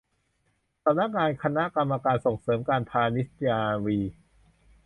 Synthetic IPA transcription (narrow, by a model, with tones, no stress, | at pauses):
sa˩˦mna˦˥˩k̚ŋaː˧nkʰa˧na˦˥ʔka˧mːa˧kaː˧nso˨˩ŋsɤː˩˦mkaː˧npʰaː˧ni˦˥sjaː˧wiː˧